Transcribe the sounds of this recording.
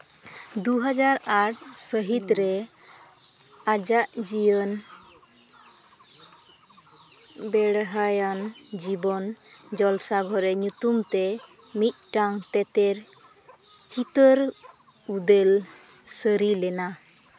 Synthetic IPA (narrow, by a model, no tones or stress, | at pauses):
d̪uɦad͡ʒaɾaʈsəɦit̪ɾɛ | ad͡ʒaʔd͡ʒijən | bɛɽɦajand͡ʒibɔnd͡ʒɔlsaɡʱɔɾɛɲut̪umt̪ɛ | mit̪̚ˀʈaŋt̪ɛt̪ɛɾ | t͡ʃit̪əɾ | ud̪el | səɾilɛna